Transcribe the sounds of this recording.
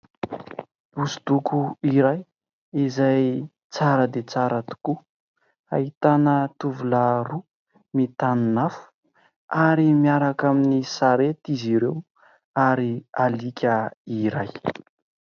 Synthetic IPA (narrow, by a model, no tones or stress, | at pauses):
usud̪ukʰuiɾaj | izaj | t͡saɾəd̪et͡saɾat̪u̥ku | a̰ɦit̪anət̪uvulaɾu | mit̪aninafu̥ | aɾimiaɾakaminisaɾet̪iziɾew | aɾialikʲəiɾaj